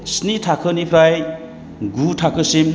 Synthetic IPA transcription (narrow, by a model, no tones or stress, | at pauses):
snitʰakʰɯnipʰɾaj | ɡutʰakʰɯsim